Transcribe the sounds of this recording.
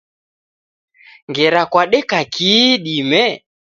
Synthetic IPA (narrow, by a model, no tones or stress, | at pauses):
ŋɡɛɾakwaɗɛkakiːɗimɛ